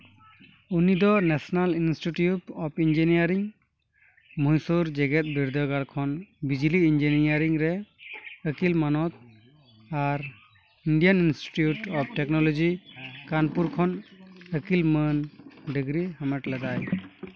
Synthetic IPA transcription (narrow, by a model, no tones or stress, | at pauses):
unid̪ɔnɛsɔnalinsʈiʈjuʈɔpʰind͡ʒinijaɾiŋ | mujsuɾd͡ʒɛɡɛt̪̚biɾd̪əɡaɽkʰɔnbid͡ʒiliind͡ʒinijaɾiŋɾɛ | əkilmanɔt̪̚ | aɾ | inɖijaninsʈi̥ʈjuʈɔp̚ʈɛknɔlɔd͡ʒikanpuɾkʰɔnəkilmənɖiɡɾihamɛʈlad̪aj